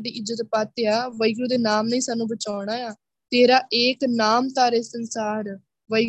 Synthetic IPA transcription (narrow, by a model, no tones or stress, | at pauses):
ɖiːʔɪzət̪paːt̪eaːʋəiɡɾuːd̪eːnaːmnəĩːsaːnːũːbət͡ʃaːʊɳ̃aːjaː | t̪eːɾaːʔeːknaːmt̪aːɾeːsənsaːɾ | ʋə